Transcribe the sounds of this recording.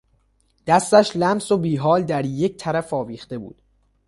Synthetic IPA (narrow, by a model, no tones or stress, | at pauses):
d̪̥æst̪æʃlæmsobiːɦɒːld̪æɾje̞c̚t̪ʰæɾæfɒːviːχt̪e̞bṵːd̪̥